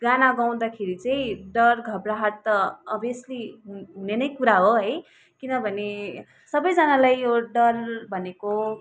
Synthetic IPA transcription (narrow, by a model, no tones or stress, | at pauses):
ɡanaɡaw̃d̪akʰeɾit͡sʌĩɖʌrɡʱʌbɾaɦaɾt̪ʌʌbʱesliɦuɦunenʌjkuɾaɦoɦʌj | kinʌbʱʌne | sʌbʌjd͡zʌnalajjoɖʌrbʱʌneko